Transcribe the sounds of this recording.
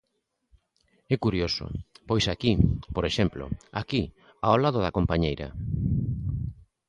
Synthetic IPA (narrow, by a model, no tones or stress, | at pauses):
ɛkuɾjoso̰pojsakipoɾeʃɛmplo̰a̰ki | aolaðoðakompaɲejɾa̰